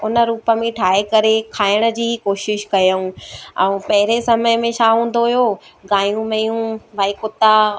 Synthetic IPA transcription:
ʊnə̆ɾuːpəmẽʈʰaːekɐɾekʰaːɪɽ̃ə̆d͡ʑiːkoːʃɪʃkɐjəũɛ̃ũpɐɦɪɾesɐməjmẽʃaɦũːn̆d̪oɦijoːɡaːjũmɐjũʋʱaːikʊt̪a

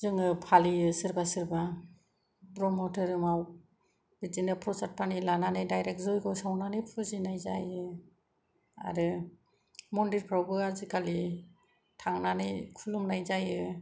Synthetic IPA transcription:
zɯŋɯpʰaliɯsɯɾbasɯɾba | bɾɔmɔtʰɯɾɯmaw | b̥izinɯpʰɾɔsat̚pʰanilananɯjdajɾek̚zɔjɡɔsawnanɯjpʰuzinajzajɯ | a̰ɾɯ | mɔndiɾpʰɾawbɯaɾzikʰali | tʰaŋnanɯjkʰulumnajzajɯ

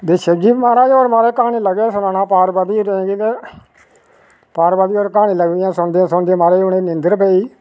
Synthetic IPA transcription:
d̪eːʃəd͡ʒiːbmaːɾãːjoːɾmaːɾeːkaːniːləɡeːsʊnãːnãːpaːɾbaːd̪iːɾẽːɡiːt̪eː | paːɾbaːd̪iːoːɾkaːniːləɡd̪ɪjãːsʊɳd̪eãːsʊɳd̪ẽːmaːɾeːoneːnɪ̃nd̪əɾpɛːiː

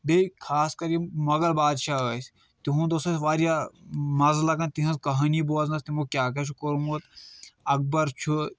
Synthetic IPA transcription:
bekʰaːskɐɾimɐɡɐɾbaːd̪ʃaːɐːs | t̪iɦũd̪oːst̪ɐsʋaːɾjamɐzlɐkɐnt̪iɦɐ̃skɐɦɐniboznɐst̪imukʲjaːkɐt͡ʃʰukoɾumut̪ɐk̚bɐɾt͡ʃʰu

